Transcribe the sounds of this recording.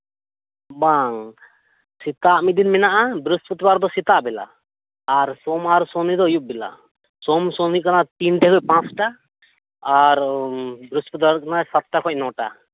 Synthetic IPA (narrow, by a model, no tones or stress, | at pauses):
baŋ | ssit̪aʔmit̪̚d̪inmɛnaʔab̪ɾusput̪ibaɾd̪ɔsit̪aʔbɛla̰ː | ɾsɔmaɾsɔnid̪ɔjup̚bila̰ | sɔmsɔnikanat̪inʈɛkɔcpãsʈaː | ɾb̪ɾuspɔt̪ibaɾkanasat̪̚ʈakʰɔc̚nɔʈa̰